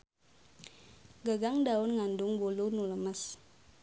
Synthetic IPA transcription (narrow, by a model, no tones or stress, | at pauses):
ɡəɡaŋdaʊnŋandʊŋbulunuləməs